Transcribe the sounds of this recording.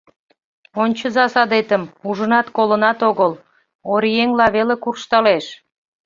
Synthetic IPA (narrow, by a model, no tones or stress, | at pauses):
onʲt͡ɕəzɑsɑd̪et̪əmuʒənɑt̪kolənɑt̪oɣəl | oɾijeŋlɑβelekurʃt̪ɑleʃ